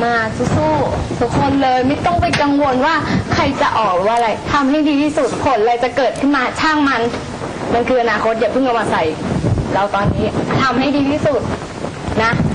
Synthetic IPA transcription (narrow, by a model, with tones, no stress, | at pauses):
maː˧˩t̪ʰu˧˦˥suː˥˩t̪ʰu˦˥kʰːo˧nlɤː˧jma˥˩t̪ɔ˥˩ŋp̬a˧jka˧ŋwo˧nwaː˥˩kʰa˧jt͡ɕa˨˩ʔɔː˨˩k̚ɾɯ˨˩˦waː˥˧ɾa˧jt̪ʰa˧mɦa˥˩jdiː˧t̪ʰiː˥˩su˨˩t̪̚pʰo˨˦n˧ɾa˧jt͡ɕa˨˩kɤː˨˩t̪̚kʰɯ˥˩nmaː˧t͡ɕʰaː˥˩ŋma˧n | ma˧nkʰɯː˧ʔa˧naː˧kʰo˦˥t̪̚jaː˨˩pʰɯ˥˩ŋka˧˩wmaː˧˩sa˨˩jɾa˧wt̪ɔː˧nːiː˦˥ʔt͡ɕa˨˩t̪ʰa˧mɦa˥˩jdiː˧t̪ʰiː˥˩su˨˩t̪̚ | na˦˥